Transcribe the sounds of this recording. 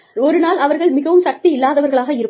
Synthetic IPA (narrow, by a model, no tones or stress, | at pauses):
ɔɾɯnaːlɐʋɐɾɣɐɭmɪɣɐʋɯmsɐk̚t̪iɪlːaːðɐʋɐɾɣɐɭaːɣɐɪɾɯ